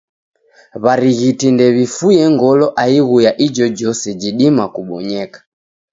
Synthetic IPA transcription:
βaɾiɣitindɛβifujɛŋɡɔlɔʔaiɣujaʔid͡ʒɔd͡ʒɔsɛd͡ʒiɗimakuɓɔɲɛkḁ

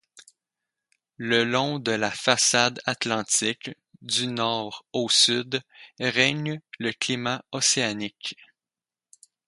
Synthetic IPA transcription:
ləlɔ̃d̪əlafasad̪at̪lɑ̃t̪ɪk | d̪ynɔːʁosyd̪ʁɛɲləklimaɔseanɪk

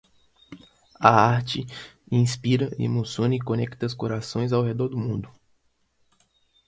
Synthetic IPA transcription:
ɐaɾt͡ʃɪĩspiɾɐḛmosõnɐɪkõnɛkt̪ɐskoɾasõj̃zawɦed̪ɔɾd̪ʊmũnd̪ʊ

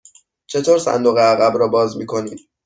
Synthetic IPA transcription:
t͡ʃʰe̞t̪ʰoːɾsæ̰nd̪oɣeæɣæbɾɒːbɒːzmiːkʰo̞niːd̪̥

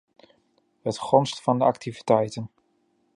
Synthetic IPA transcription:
hətχɔnstfɑndəɑktʰivitɛjtən

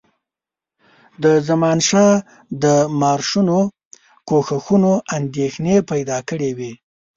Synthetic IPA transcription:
d̪əzamɑnʃɑ | d̪əmɑɾʃuno | koxaxunoand̪exnepajd̪ɑkəɽewi

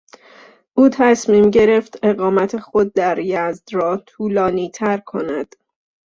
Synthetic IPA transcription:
ʔuːt̪ʰæsmiːmɟe̞ɾe̞ft̪e̞ɣɒːmæt̪ʰe̞xo̞d̪̚ːæɾjæzd̪̥ɾɒːt̪ʰuːlɒːniːt̪ʰæɾkʰo̞næd̪̥

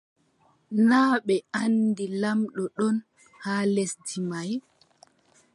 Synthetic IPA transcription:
naːɓɛandilamɗɔɗɔn | haːlesdimaj

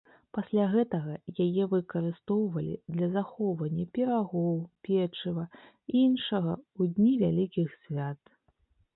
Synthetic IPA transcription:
pasʲlʲaɣɛt̪ɐɣɐjajɛvɨkɐɾɨst̪ɔwvɐlʲḭd̪lʲɐzaxɔwvɐnʲːɐpʲɛɾaɣɔwpʲɛt͡ʂɨvɐ | iinʂɐɣɐud̪ʲnʲivʲalʲikʲixsʲvʲat̪

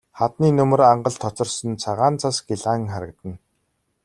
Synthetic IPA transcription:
χat̪niːnɵmɵ̆raɴɢə̆ɮt̪ʰɔt͡sɞ̆rsɞ̆nt͡sʰaʁaːnt͡sʰasɡiɮaŋχaɾə̆kt̪ə̆n

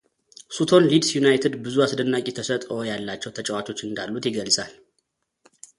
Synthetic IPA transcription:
sut̪ʰo̞nlid̪sjunajt̪ʰed̪bɨzuasd̪ənːakʼit̪ʰəsət̪ʼo̞jalːat͡ʃːɛwt̪ʰət͡ʃʼɛwat͡ʃʼo̞t͡ʃːɨnd̪alːut̪jɪɡəlsʼal

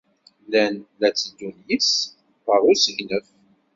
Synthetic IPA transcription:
lænlæt͡sːəd̪unjəs | fəɾˤʊsəʝnəf

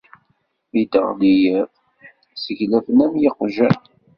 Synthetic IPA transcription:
id̪ə̰ʁd̪ijə | səʝlæfənæmjɪqʒæ

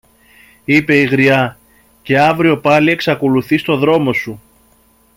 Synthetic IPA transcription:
ipe̞iɣɾiɐ | ce̞ɐvɾio̞pɐlie̞ksɐko̞luθist̪o̞ðɾo̞mo̞su

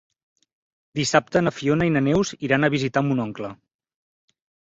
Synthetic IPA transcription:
d̪isap̚t̪ənəfionəinənɛwziɾanəβizit̪amunɔŋklə

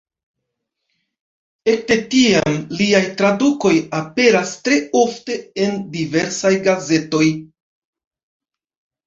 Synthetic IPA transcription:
e̞k̚te̞tiamliajtɾaduko̞jape̞ɾastɾe̞o̞fte̞endive̞ɾsajɡaze̞to̞j

